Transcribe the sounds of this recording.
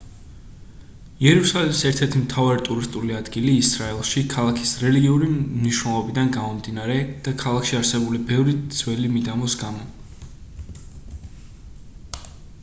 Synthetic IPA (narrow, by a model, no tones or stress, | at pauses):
iɛɾusalɛmisɛɾt̪ʰɛɾt̪ʰimt̪ʰavaɾit̪ʼuɾist̪ʼuliad̪ɡiliːsɾaɛlˠʃikʰalˠakʰi̥sɾɛliɡiuɾimniʃwnɛlˠɔbid̪anɡamɔmd̪inaɾɛd̪̥akʰalˠakʰʃiaɾsɛbulibɛvɾid̪z̥wɛlimid̪amɔsɡamɔ